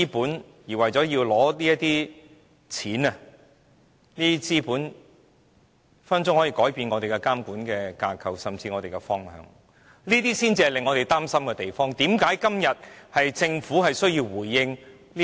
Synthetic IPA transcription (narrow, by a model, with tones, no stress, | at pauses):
puː˨˥n | jiː˨˩wɐ˨˩jt͡sɔː˨˥jiː˧wlɔː˨˥liː˥jɐ˥t̪iː˥ | t͡sʰiː˨˥nɐ˧ | niː˥i˥t͡siː˥puː˨˥n | fɐ˥nt͡sʊ˥ŋhɔː˨˥jiː˧kɔː˨˥jpiː˧nŋɔ˨˧e˨jkɛ˧kaː˥mkuː˨˥nkɛː˧kaː˧kʰɐ˨˩wsɐ˨˩mt͡siː˧ŋɔ˨˧t̪e˨jkɛ˧fɔː˥ŋhœ̰ː˧ŋ | niː˥t̪iː˥siː˥nt͡si˧hɐ˨jlɪ˨˩ŋːɔː˨˧ɾe˨˩jt̪aː˥msɐ˥mkɛ˧t̪e˨jfɔː˥ŋt̪iː˨˥mkaː˨˥jkɐ˥mjɐ˨t̚hɐ˨jt͡sɪ˧ŋfuː˨˥hɐ˨jsɵ˥ɥjiː˧wwuː˨˩jːɪ˧ŋ | niː˥